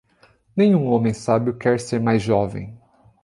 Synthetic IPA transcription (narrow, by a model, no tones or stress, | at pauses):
nẽj̃ũõmẽj̃sabjʊkɛɾseɾmajzʒɔvḛ̃j̃